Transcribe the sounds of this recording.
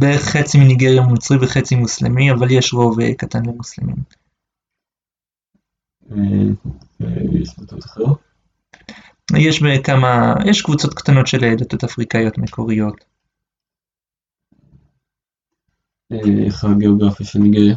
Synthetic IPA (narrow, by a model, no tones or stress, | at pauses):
beeχχet͡siminiɡeʁjaunut͡sʁimveχet͡simuslemiavaljeʃʁo̞vḛkatanlemuslimḭm | evḛjḛʃbut̪ot̪ḁχeʁ | jeʃbekamajeʃkvut͡so̞t̪kt̪ano̞tʃeled̪at̪ot̪afʁikajo̞t̪mekʰo̞ʁijo̞t̪ | eḛχaɡeoɡʁafijaʃelniɡeʁja